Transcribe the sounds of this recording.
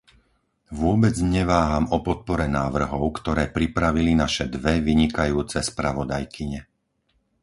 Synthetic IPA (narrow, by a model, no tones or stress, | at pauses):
ʋʊɔbɛd͡zɲɛʋaːɦamɔpɔt̪̚pɔɾɛnaːʋr̩ɦɔʊkt̪ɔɾɛːpɾipɾaʋilinaʃɛd̪ʋɛʋiɲikajuːt͡sɛspɾaʋɔd̪ajkʰiɲɛ